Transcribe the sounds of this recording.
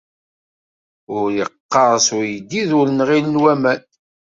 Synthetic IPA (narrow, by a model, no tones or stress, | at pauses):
ʊɾjəqːɑɾˤsʊɾjəd̪ːiðʊɾnʁilənwæmæn